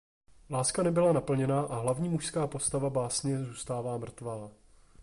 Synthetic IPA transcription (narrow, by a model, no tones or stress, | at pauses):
laːskanɛbɪlanapl̩ɲɛnaːʔaɦlavɲiːmuʃskaːpo̞st̪avabaːsɲɛzuːst̪aːvaːmr̩t̪vaː